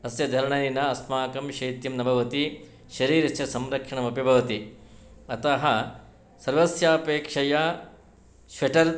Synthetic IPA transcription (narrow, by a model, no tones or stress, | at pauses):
ɐsjɐd̪ʱɐɾɐɳɐnɐɐsmaːkɐmʃɐjt̪jɐmnɐbʱɐʋɐt̪i | ʃɐɾiːɾɐsjɐsɐmɾɐkʂɐɳɐmɐpibʱɐʋɐt̪i | ɐt̪ɐɦɐ | sɐɾʋɐsjaːpeːkʂɐjɐ | ʃʋɐʈɐɾ